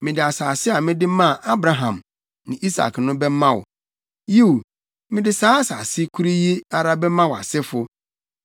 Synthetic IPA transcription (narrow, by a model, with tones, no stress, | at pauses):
mɪ̃˨dɪ˨a˨saː˨sɪ˦a˨mɪ̃˦dɪ˦mã˦˨ʔa˦bɾa˨ɦã̰˨m | nɪ̃˨ʔi˦sa̰˨knʊ̃˦bɛ˦mã˦wʊ̰˨ | ji˦u˨ | mɪ̃˦dɪ˦saː˦sa˨sɪ˦kʰu˦ɾi˦ji˦a˨ɾa˦bɛ˦mã˦wa̰˨sɪ˦fʊ˦